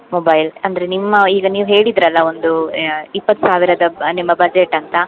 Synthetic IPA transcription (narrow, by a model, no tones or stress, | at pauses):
mobɐjlɐnd̪ɐɾe̞nimːɐiːɡɐniːʋuɦe̞ːɽid̪ɾɐlːɐo̞nd̪uipːɐt̪ːu̥saːʋiɾɐd̪ɐnimːɐbɐd͡ʒeʈːɐnt̪ɐ